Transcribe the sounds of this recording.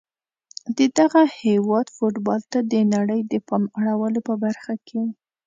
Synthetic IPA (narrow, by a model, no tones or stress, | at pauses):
d̪əd̪aɣahewɑd̪foʈbɑlt̪ad̪ənaɽəjd̪əpɑmaɽawəlopəbaɾxakʰe